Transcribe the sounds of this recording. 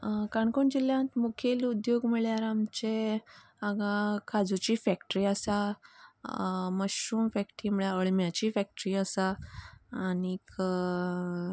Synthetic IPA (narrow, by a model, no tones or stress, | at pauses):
kaɳkoɳd͡ʑiljãt̪mukʰelud̪joɡmiɭjaɾamt͡ɕe | aɡakʰad͡zut͡ɕiːfɛkʈɾiːasa | məɕuːmfɛkʈɾiːmiɭjaəɭmjat͡ɕiːfɛk̚ʈɾiːəsaː | nik